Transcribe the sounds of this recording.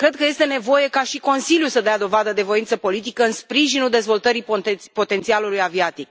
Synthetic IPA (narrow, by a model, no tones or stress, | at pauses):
kɾe̞d̪̚kəje̞st̪e̞ne̞vo̞je̞kaʃiko̞nsiljusəd̪ead̪o̞vad̪əd̪e̞vo̞intsəpo̞lit̪̬ikəɨnspɾiʒinuld̪e̞zvo̞lt̪əɾipo̞t̪e̞nt̪sialulujaviat̪ik̚